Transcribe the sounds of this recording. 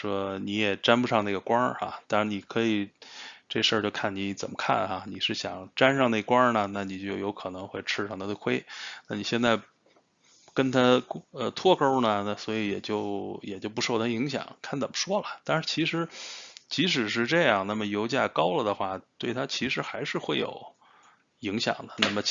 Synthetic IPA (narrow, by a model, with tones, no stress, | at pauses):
ʂwɔ˥ni˧˥jɛ˨˩ʈ͡ʂa˥npu˧ʂɑ˥˧ŋna˥˩ɡə˩kwɑ˥a̰˧t̪a˥˩ʂni˨˩kʰɤ˧˥i˨˩ʈ͡ʂɤ˥˧˩ɡə˩ʂə˞˥˧t͡ɕjo˥˧ʊkʰa˥˩nni˧˥t͡sə˨˩mə˦kʰa̰˥˩nxa˧ni˨˩ʂɻ̩˥˩ɕjɑ˨˩ŋʈ͡ʂa˥nʂɑ˥˧ŋne˥˩ɡə˩kwɑ˥nə˨na˥˩ni˨˩t͡ɕjo˥˩ʊjo˧˥ʊkʰɤ˨˩nɤ˧˥ŋxwe˥˧ɪʈ͡ʂʰɻ̩˥˧ʂɑ˥ŋt̪ʰa˥o˥˩kʰwe˥ɪna˥˩ni˨˩ɕjɛ˥˧nt͡sa˥˩ɪ | kə˥nt̪ʰa˥ə˧t̪ʰwɔ˥˧ko˥ʊnə˨na˥˩swɔ˧˥i˧˥jɛ˨˩t͡ɕjo˥˩ʊjɛ˨˩t͡ɕjo˥˩ʊp̬ʂo˥˩ʊt̪ʰa˥i˧˥ŋɕ̬jɑ̰˨˩˦ŋkʰa˥˩nt͡sə˨˩mə˦ʂwɔ˥lə˨t̪a˥˧nʂɻ̩˥˩t͡ɕʰi˧˥ʂɻ̩˧˥t͡ɕi˧˥ʂ̬ɻ̩˨˩ʂ̬ɻ̩˥˧ʈ͡ʂɤ˥˧jɑ˥˩ŋna˥˩mə˩jo˧˥ʊt͡ɕja˥˩kɑ˥ʊlə˨d̪ə˩xwa˥˩t̪we˥˩ɪt̪ʰa˥t͡ɕʰi˧˥ʂɻ̩˧˥xa˧˥ɪʂɻ̩˥˧xwe˥˩ɪjo̰˨˩˦ʊ | i˧˥ŋɕjɑ̰˨˩ŋd̪ə˦na˥˩mə˩